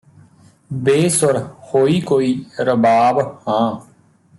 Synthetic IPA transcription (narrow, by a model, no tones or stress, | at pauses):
beːsoɾxoːiːkoːiːɾəbaːbhãː